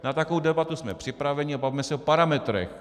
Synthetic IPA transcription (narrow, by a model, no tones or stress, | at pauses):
nat̪akowdɛbat̪usmɛpr̥ɪpɾavɛɲɪabavimɛsɛopaɾamɛt̪ɾɛ̰x